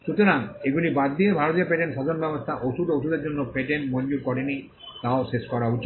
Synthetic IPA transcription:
ʃut̪oɾaŋeɡulibad̪ːiebʱaɾot̪ijopeʈenʃad̪ʱonbɛbost̪ʰaʔoʃud̪oʃud̪eɾd͡ʑonːopeʈenmoɲd͡ʑukɔɽeni | t̪aoʃeʃkɔɾaut͡ɕi

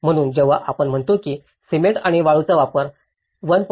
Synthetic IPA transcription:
m̤əɽ̃uːnd͡ʑəʋaʔapəɳm̤əɳt̪okiː | simeʈaɽ̃iʋaɭut͡saʋapəɾ | ʋənp

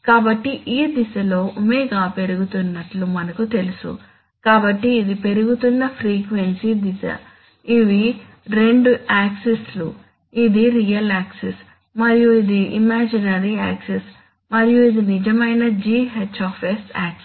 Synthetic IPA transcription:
kaːbɐʈːiʔiːd̪isɐlo̞ːʔumeɡaːpe̞ɾuɡut̪unːɐʈlumɐnɐkut̪e̞lusṵ | kaːbɐʈːiːd̪ipe̞ɾuɡut̪unːɐpʰɾiːkʋe̞nsid̪isɐ̰ | iʋi | ɾe̞ɳɖuaːkseslu | id̪iɾijɐlaːkses | mɐɾijuid̪iimaːd͡ʒinɐɾia̰ːkses | mɐɾijuid̪inid͡ʒɐmɐjnɐd͡ʒiːɦet͡ʃːaːpʰesaːks

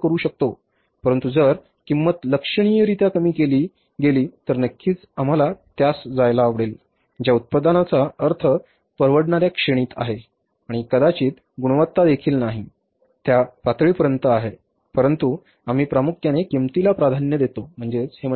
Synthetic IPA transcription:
kəɾuːɕək̚t̪o | pəɾənt̪ud͡zəɾ | kimːət̪ləkʂəɽ̃ijəɾit̪akəmiːkeliː | ɡeliːt̪əɾnəkʰːiːt͡sam̤alat̪jasd͡zajlaːʋɽel | d͡ʑjaut̪̚pəd̪anat͡saəɾt̪ʰə | pəɾʋəɽɳaɾjakʂeɽ̃iːt̪a̰ɦe | aɽ̃ikəd̪at͡ɕiːt̪ | ɡuɽ̃ʋət̪ːad̪ekʰiːlnaɦi | t̪japat̪ɭiːpəɾənt̪əaɦe | pəɾənt̪u | am̤iːpɾamukʰjanekimt̪ilapɾad̪ʱanjəd̪et̪om̤əɳd͡zet͡she

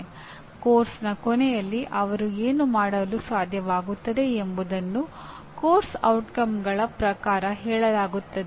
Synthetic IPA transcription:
koːɾsnɐkɔnɛjɐlːiʔɐʋɐɾueːnumaːɽɐlusʋaːd̪ʱjɐʋaːɡut̪ːɐd̪e̞embud̪ɐnːu | koːɾsɐ̰wʈkɐmɡɐɭɐpɾɐkaːɾɐɦɛːɭɐlaːɡut̪ːɐd̪

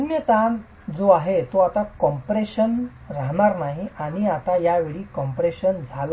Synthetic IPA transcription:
njət̪ãn | d͡zoaɦet̪oat̪akɔmpɾeɕən | ɾaɦnaɾnaɦiʔaɽ̃iat̪ajaʋeɭiːkɔmpɾeɕənd͡zʱal

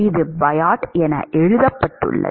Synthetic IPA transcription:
ɪðɯbɐjaːʈɛnɐ̰ʔɛɻɯðɐpːɐʈːɯ̰ɭːɐ̰

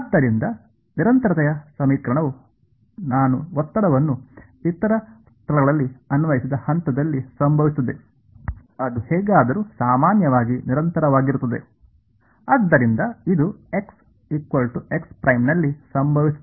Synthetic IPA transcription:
ɐd̪ːɐɾind̪ɐ | niɾɐnt̪ɐɾɐt̪ɐjɐsɐmiːkɾɐɳɐʋu | naːnuɔt̪ːɐɽɐʋɐnːu | it̪ːɐɾɐst̪ʰɐlɐɡɐɭɐlːiɐnʋɐjisid̪ɐhɐnt̪ɐd̪ɐlːisɐmbʱɐʋist̪ɐd̪e̞ | ɐd̪uhɛːɡaːd̪ɐɾuːsaːmaːnjɐʋaːɡiniɾɐnt̪ɐɾɐʋaːɡiɾut̪ːɐd̪e̞̰ | ad̪ːɐɾind̪ɐid̪ue̞ks | ikʋɐlʈue̞kspɾɐjmnɐlːisɐmbʱɐʋist̪

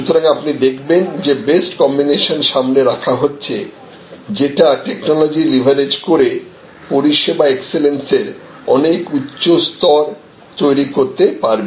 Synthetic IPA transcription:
ʃut̪oɾaŋapnid̪ekʰbend͡ʑebesʈkɔmbineʃonʃamneɾakʰaɦotːɕʰe | d͡ʑeʈaʈeknɔlod͡ʑilibʱaɾed͡ʑkoɾe | poɾiʃebaekselenseɾ | ɔnekutːɕost̪ɔɾ | t̪ojɾikoɾt̪epaɾbe

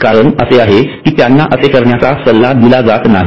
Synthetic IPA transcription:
kaɾəɳəseaɦekiːt̪janːaʔəsekəɾɳjat͡sasəlːad̪ilad͡zat̪naɦ

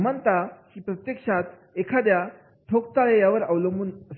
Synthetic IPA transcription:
mənt̪akiːpɾət̪jəkʂat̪ | ekʰad̪ja | ʈʰok̚t̪alejaʋəɾawləmbuːnəs

